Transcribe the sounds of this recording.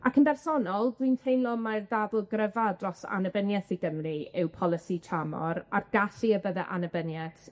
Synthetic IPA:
akʰənbɛrsɔnɔlˠdwintʰejnlˠɔmajrdaðʊlˠɡrəvadrɔsa̰nəbənjɛθiɡəmriɪwpʰɔlˠɪsitʰamɔ̰ɾarɡ̥aɬiəbəðɛʔanəbənjɛθ

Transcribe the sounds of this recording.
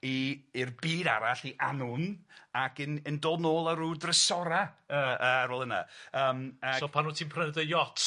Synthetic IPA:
iːrbiːda̰ɾaɬiʔanʊnakɨnəndoːnoːlˠəɾuːdrəsɔɾaəəːaɾoːlˠəna̰əːmasopʰanuːtʰiːnpʰrənɛdəjɔtʰ

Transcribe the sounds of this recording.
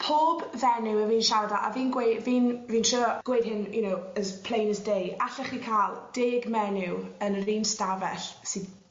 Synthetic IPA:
pʰoːbðɛnɪwəviːnʃaɾdaʔa̰viːnɡwejdviːnviːnʃʊːɡ̥wejd̥ɦɪnjʊnowəspʰl̥ˠejnəsdejaɬɛχikʰaːlˠd̥eːɡmɛnɪwənriːnstavɛɬsiːd

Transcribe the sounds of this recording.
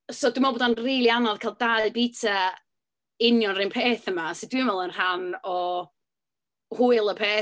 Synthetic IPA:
soːdɪmɔbɔdanriːlˠianɔðkʰaːlˠdaɨbitʰa | ɪnjɔnrɨnpʰeːθəmasɪd̥winvɛlˠənhanɔ | hʊɨlˠəpʰeː

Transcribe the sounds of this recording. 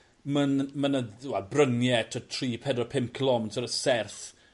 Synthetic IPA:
mənmənəwɛlˠbrənjɛtʰɔtʰriːpʰɛdɔpʰɪmkʰəlˠɔmnsʰɔɾəsɛrθ

